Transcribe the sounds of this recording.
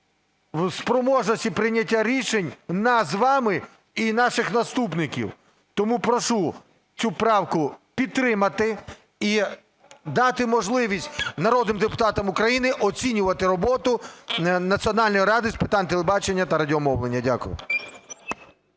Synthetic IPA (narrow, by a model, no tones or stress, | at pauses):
wspɾɔmɔʒnɔsʲtʲipɾɪnʲɐtʲːaɾʲiʃenʲnɐzʋɑmɪ | inɑʃɪxnɐst̪upnɪkʲḭw | t̪ɔmupɾɔʃu | t͡sʲupɾɑwkʊpʲid̪̚t̪ːɾɪmɐt̪ɪ | i | d̪ɑt̪ɪmɔʒlˠɪʋʲisʲtʲnɐɾɔd̪nɪmd̪epʊ̥t̪ɑt̪ɐmʊkɾɐjinɪʔɔt͡sʲinʲʊʋɐt̪ɪɾɔbɔt̪ʊnɐt͡sʲiɔnɑlʲnɔjiɾɑd̪ɪspɪt̪ɑnʲt̪elˠebɑt͡ʃenʲːɐt̪ɐɾɐdʲiɔmɔwlˠenʲːɐdʲa̰kʊjʊ̰